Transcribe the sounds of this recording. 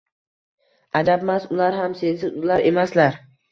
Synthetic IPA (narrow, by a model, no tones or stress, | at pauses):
ad̪abmasʊlaɾɦamsesɪzʊlaɾe̞maslaɾ